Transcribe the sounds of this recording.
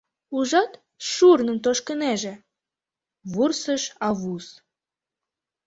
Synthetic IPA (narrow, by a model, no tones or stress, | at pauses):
uʒɑt̪ | ʃurnə̆nt̪oʃkənæʒĕ | βursəʃɑβus